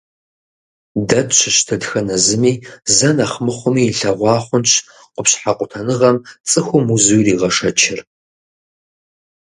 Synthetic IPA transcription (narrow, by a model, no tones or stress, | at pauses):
dɐt͡ʃʷʰɪʃtʰɨdxɐnɐzɨmiːzɐnaχmɨχʷʊmiːɬɐʁʷɑːχʷʊnɕʰ | qʷʊpɕħaqʷʼʊtʰɐnɨʁɐmt͡sʼɨxʷʊmuzuwriːʁɐʂɐt͡ʃʰɪr